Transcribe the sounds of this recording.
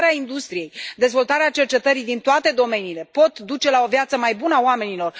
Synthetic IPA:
ɾeaind̪ust̪ɾije̞jd̪e̞zvo̞lt̪aɾeat͡ʃe̞rt͡ʃe̞t̪əɾijd̪int̪oat̪e̞d̪o̞me̞niːle̞po̞t̪d̪ut͡ʃe̞lao̞vjat̪səmajbunəaoame̞nilo̞r

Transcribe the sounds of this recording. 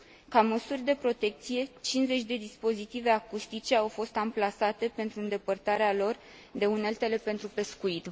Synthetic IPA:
kaməsurʲd̪e̞pɾo̞t̪e̞k̚t̪sije̞t͡ʃinze̞t͡ʃʲd̪e̞d̪ispo̞zit̪ive̞akust̪it͡ʃe̞awfo̞st̪amplasat̪e̞pe̞nt̪ɾuɨnd̪e̞pərt̪aɾealo̞r | d̪e̞unelt̪e̞le̞pe̞nt̪ɾupe̞skuit̪

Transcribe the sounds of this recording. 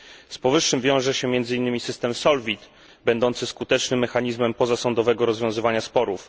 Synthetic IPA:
spɔvɘʂːɘmvʲjɔ̃w̃ʐɛɕɛmʲjɛnd̪zɘinːɘmʲisɘst̪ɛmsɔlvʲit̪ | bɛnd̪ɔnt̪sɘskut̪ɛt͡ʂnɘmːɛxaɲizmɛmpɔzasɔnd̪ɔvɛɡɔɾɔzvʲjɔ̃w̃zɘvaɲaspɔɾuf

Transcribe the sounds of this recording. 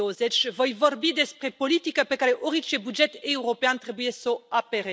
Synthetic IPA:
ozet͡ʃvo̞jvo̞rbid̪e̞spɾe̞po̞lit̪ikəpekaɾe̞ʔoɾit͡ʃebud͡ʒe̞t̪euɾo̞peant̪ɾe̞bujesoapeɾe

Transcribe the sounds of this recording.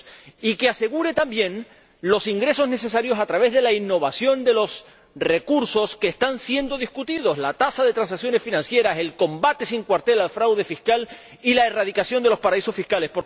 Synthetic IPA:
ikease̞ɣ̞uɾe̞t̪ambjẽ̞n | lo̞siŋɡɾe̞so̞zne̞se̞s̬aɾjo̞sat̪ɾaβ̞e̞zðe̞lainːo̞β̞asjo̞nd̪e̞lo̞s | re̞kuɾso̞skeːst̪ansje̞nd̪o̞ðihkut̪iðo̞slat̪asaðe̞t̪ɾans̬aksjone̞sfinãnsje̞ɾase̞lko̞mbat̪e̞siŋkwaɾt̪e̞lalfɾawð̞e̞fihkal | ilae̞raðikasjo̞nd̪eo̞spaɾaiso̞sfihkale̞spo̞

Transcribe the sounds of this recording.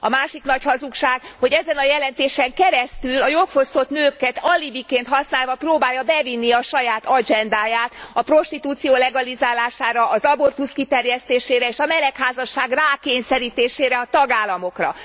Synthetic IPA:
ɒ̰maːʃiknɒchɒzukʃaːɡho̞ɟɛzɛnɒjɛlɛnt̪eːʃɛŋkɛɾɛst̪ylɒjo̞lfo̞st̪o̞t̪nøːkɛt̪ɒlibikeːnt̪hɒsnaːlvɒproːbaːjːɒbɛvinːiɒʃɒjaːt̪ɒd͡ʒɛnd̪aːjaːt̪ɒpro̞ʃt̪it̪uːt̪sijoːlɛɡɒlizaːlaːʃaːɾɒʔɒzɒbo̞rt̪uskit̪ɛrjɛst̪eːʃeːɾɛeːʃɒmɛlɛkhaːzɒʃːaːɡraːkeːɲsɛɾiːt̪eːʃeːɾɛɒt̪ɒɡaːlːɒmo̞krɒ̰

